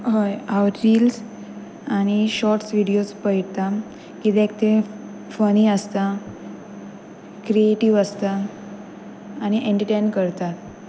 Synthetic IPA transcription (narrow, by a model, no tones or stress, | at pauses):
ɦəjaʋʈːils | aɽ̃iɕɔɾʈsʋiɽijospəiʈt̪a | kit̪ek̚t̪e | fəniəst̪a | kɾieʈiʋəst̪a | ñiʔẽɳʈəʈenkəɾt̪at̪